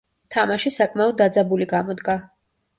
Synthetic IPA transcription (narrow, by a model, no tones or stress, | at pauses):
t̪ʰamaʃisakʼmaɔd̪̚ːad̪zabuliɡamɔd̪ɡa